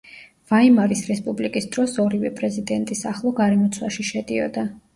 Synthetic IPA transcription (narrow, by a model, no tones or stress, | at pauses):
vaimaɾisɾɛspʼublikʼisd̪ɾɔsɔɾivɛpʼɾɛzid̪ɛnt̪ʼisaχlˠɔɡaɾɛmɔt̪sʰwaʃiʃɛd̪iɔ̰d̪a